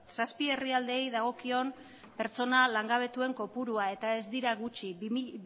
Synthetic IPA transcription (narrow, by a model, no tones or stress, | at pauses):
saspie̞riald̪e̞ːjðaɣ̞o̞kio̞n | pe̞ɾt͡so̞nalaŋɡaβ̞e̞t̪ue̞ŋko̞puɾuae̞t̪ae̞zd̪iɾaɣut͡ʃi